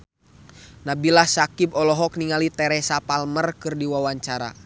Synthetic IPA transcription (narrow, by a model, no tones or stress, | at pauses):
nabilahsakibɔlɔɦɔk̚niŋalit̪ɛɾɛsapalmərkɨrdiwawaɲt͡ʃaɾa̰